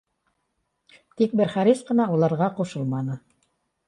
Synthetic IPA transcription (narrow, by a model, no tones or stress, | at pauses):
t̪ik̚bɘɾχæɾisqɤ̆nɑulˠɑɾʁɑqoʃɤlˠmɑnɤ